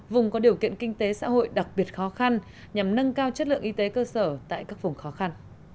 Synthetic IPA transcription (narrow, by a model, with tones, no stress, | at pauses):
vʊ˨˩ŋ͡mkɔ˨˦ɗi˨˩əwkḭ˧˨ənkï˧ŋ̟t̪e˨˦sa̰ː˧˥ɦo̰˧˨jɗa˨˩k̚ɓi˨˩ət̚xɔ˨˦xa˧n | ɲa˨˩mnə˧nkaː˧wt͡ɕə˦˥t̚lɨ̰˧˨əʔi˧t̪e˨˦kəː˧səː˧˩t̪a̰ː˧˨jkaː˦˥k̚vʊ˨˩ŋ͡mxɔ˨˦xa˧n